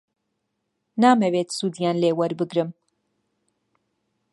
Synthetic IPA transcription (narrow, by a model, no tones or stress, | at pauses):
naːmɛweːt̪suːd̪jaːnleːwɐɾbɨɡɾɨm